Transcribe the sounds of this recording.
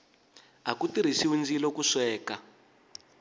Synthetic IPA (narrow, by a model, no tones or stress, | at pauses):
ɦakutiɾ̤iʃiwund͡zilɔkuʂwɛːka